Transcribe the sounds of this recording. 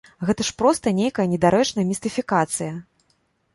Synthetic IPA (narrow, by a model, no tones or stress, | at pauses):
ɣɛt̪ɐʂpɾɔst̪ɐnʲejkɐjɐnʲɛd̪aɾɛt͡ʂnɐjɐmʲɪst̪ɨfʲikat̪sɨjɐ